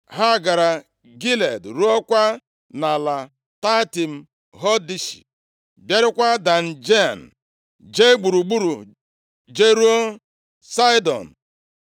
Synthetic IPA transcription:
ɦa˦˨ɡa˨ɾa˨ | ɡi˦le˨dɾu˦ɔ˦kʷa˦ | na˨la˨ | ta˦ti˨m̩˦ | ɦɔ˦di˦ʃi̥̰˨ | bje˦ɾɪ˦kʷa˦da˨n̩˨d͡ʒe˦a˨n̩˨ | d͡ʒe˦ɡ͡bu˨ɾu˨ɡ͡bu˦ɾu˨ | d͡ʒe˦ɾu˦o˦ | sa˦dɔ̰˨n̩˨

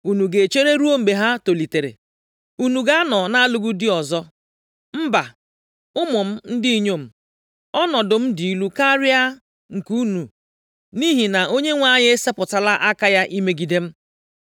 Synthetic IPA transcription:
u˨nu˨ɡe˨t͡ʃe˦ɾe˦ɾu˦o˦m̩˨be˨ɦa˦to˨li˨te˨ɾḛ˨ | u˦nu˨ɡa˦nɔ˨na˦a˦lʊ˦ɡu˦di˦ɔ˨zɔ˦ | m̩˦ba˨ | ʊ˦mʊ˨m̩˦n̩˦di˦i˦ɲo˦˨m̩˨ | ɔ˦nɔ˨dʊ˨m̩˦di˨i˦lu˦ka˦ɾɪ˦a˦ | ŋ̩˨ku˦nu˨ | ni˦ɦi˨na˨o˦ɲe˦ŋʷa˦ɲɪ˦e˦se˦pʊ˨ta˨la˦ʔa˦ka˦ja˦ʔi˦me˦ɡi˨de˦m̩˦

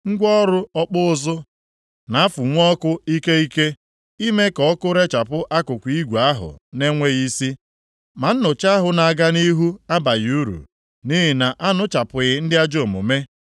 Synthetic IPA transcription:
ŋ̩˦ɡʷɔ˦ɾʊ˦ɔ˦k͡pʊ˦ʊ˦˨zʊ˦ | na˨˦fu˨ŋʷɔ˦kʊ˦i˦ke˦i˦ke˦ | i˦me˦kɔ˨˦kʊ˦ɾe˦t͡ʃa˨pʊ˦ʔa˦kʊ˨kʷi˦ɡʷa˦ɦʊ̰˨ne˦ŋʷe˦ɣi˦si˦ | ma˨n̩˦nʊ˨t͡ʃa˦ɦʊ˨na˨a˨ɡa˦ni˦ɦu˦a˦ba˨ju˦ɾṵ˨ | ni˦ɦɪ˨na˨ʔa˦nʊ˦t͡ʃa˨pʊ˨ɣɪ˨˦n̩˦dɪ˦a˦d͡ʒo˦˨mo̰˨me˦

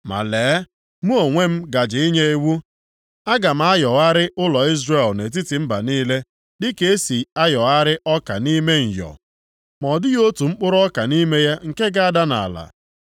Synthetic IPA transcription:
ma̰˨leː˨˦ | mu˦o˨ŋʷe˦m̩˦ɡa˨d͡ʒɪ˨i˦ɲe˦e˦wu˦ | a˦ɡa˨m̩˦a˦jɔ˨a˦ɾɪ˦ʔʊ˦lɔ˨i˦zre˨lne˨t̬i˦tɪ˨m̩˦ba̰˨niː˦le˦ | dɪ˦ke˦e˦si˨a˦jɔ˨a˦ɾɪ˦ʔɔ˦ka̰˨ni˦me˦ŋ̩˨jɔ̰˨ | mɔ˨dɪ˦jo˦tu˨ŋ͡m̩˦k͡pʊ˦ɾɔ˦ka˨ni˦me˦ja˦ŋ̩˨ke˦ɡa˦a˦˨da˦na̰˨a̰˨la̰˨

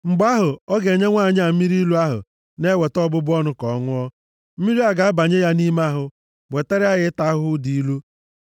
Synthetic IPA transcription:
ŋ͡m̩˨ɡ͡ba˦ɦʊ˨ɔ˦ɡe˨ɲe˦ŋʷa˦˨ɲ˦a˨m̩˦mi˦ɾi˦lu˦a˦ɦʊ̰˨ | ne˦we˨tɔ˦bʊ˦bʊ˦ɔ˦nʊ˦kɔ˨˦ŋʊ˦ɔ˦ | m̩˦mi˦ɾi˦a˨ɡa˨a˦ba˨ɲe˦ja˦ni˦m˦a˦ɦʊ˨ | we˨te˦ɾɪ˦a˦ɣɪ˦ta˦ɦʊ˦di˨i˦lu˦

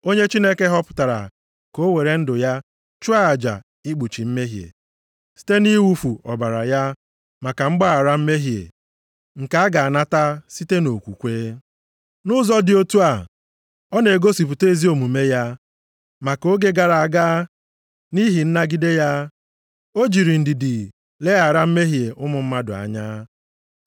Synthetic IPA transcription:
o˦ɲe˦t͡ʃi˦ne˦ke˦ɦɔ˦pʊ̥˨ta˨ɾa̰˨ | ko˦we˨ɾe˨n̩˦dʊ˨ja˦ | t͡ʃu˦a˦a˨d͡ʒa̰˨ | i˦ɡ͡bu˨t͡ʃi˨m̩˦me˦ɦjḛ˨ | si̥˦te˦ni˦wu˦fu˨ɔ˨ba˨ɾa̰˨ja˦ | ma˨ka˨ŋ͡m̩˦ɡ͡ba˦a˨ɾa˦m̩˦me˦ɦjḛ˨ | ŋ̩˨ka˨a˦ɡa˨a˨na˦ta˦si˦te˦no˨kʷṵ˨kʷeː˦ | nʊ˦zɔ˦dɪ˨o˦tu˦a˨ | ɔ˦ne˨ɡo˦si˨p̬u˨te˦˨zi˦o˨mu˨me˦ja˦ | ma˨ko˦ɡe˦ɡa˦ɾa˨a˨ɡaː˦ | ni˦ɦi˨n̩˦na˦ɡi˦de˦ja˦ | o˦d͡ʒi˨ɾi˨n̩˨dɪ˨dɪ˨ | le˦a˨ɾa˦m̩˦me˦ɦje˨ʔʊ˦mʊ˨m̩˦ma˦dʊ˨a̰˨ɲa˦

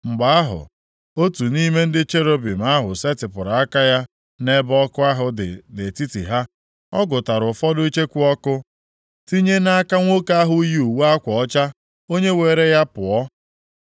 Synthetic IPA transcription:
ŋ͡m̩˨ɡ͡ba˨a˦ɦʊ̰˨ | o˦tu˨ni˦me˦n̩˦dɪ˦t͡ʃe˦ɾo˦bi˨m˨a˦ɦʊ˨se˦tɪ˨pʊ˨ɾa˨a˦ka˦ja˦ | ne˦bɔ˦kʊ˦a˦ɦʊ˨de˨ti˦tḭ˨ɦa˦ | ɔ˦ɡʊ˨ta˨ɾʊ˨fɔ˦dʊ˦i˦t͡ʃe˦kʷu˦ɔ˦kʊ˦ | ti˦ɲe˦na˦a˦ka˦ŋʷo˦ka˦ɦʊ˦ju˨wa˦kʷɔ˨ɔ˦t͡ʃa˦ | o˦ɲe˦weː˨ɾe˦ja˦pʊ˨ɔ˦

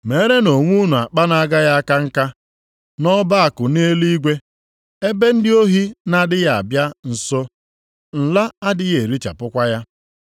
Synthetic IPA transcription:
me˨˦ɾe˦no˨ŋʷu˦nu˨a˨k͡pa˦na˦ɡa˦ja˦a˦ka˦ŋ̩˦ka˦ | nɔ˦ba˦a˨kʊ˨ne˦li˦ɡʷe˦ | e˦be˦n̩˦dɪ˦o˦ɦi˦na˦dɪ˦ja˦˨a̰˨bja˦n̩˨so˦ | n̩˨la˦a˦dɪ˦je˨ɾi˦t͡ʃa̰˨pʊ˦kʷa˦ja˦

